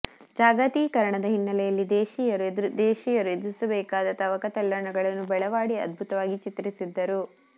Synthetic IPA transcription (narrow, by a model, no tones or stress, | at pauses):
d͡ʒaːɡɐt̪iːkɐɾɐɳɐd̪ɐɦinːɐlɛjɐlːid̪eːʃijɐɾd̪eːʃiːjɐɾued̪ɾusɐbɛːkaːd̪ɐt̪ɐʋɐkɐt̪ɐlːɐɳɐɡɐɭɐnːubɛɭɐʋaːɽiɐ̰d̪̚bʱut̪ɐʋaːɡit͡ʃit̪ɾisid̪ːɐɾu